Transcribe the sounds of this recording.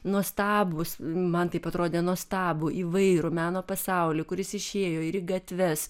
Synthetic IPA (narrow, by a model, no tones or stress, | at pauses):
nuɔst̪ɑːbʊsmɐnt̪ɐɪpɐt̪ɾoːd̪ʲeːnuɔst̪ɑːbuːʔiːʋɐɪɾuːmʲæːnoːpɐsɑʊlʲɪːkʊɾʲɪsɪʃʲeːjoːɪɾiːɡɐt̪ʲʋʲɛs